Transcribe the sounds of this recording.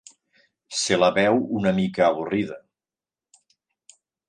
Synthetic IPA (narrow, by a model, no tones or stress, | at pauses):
selaβɛwunamikaːβuriðə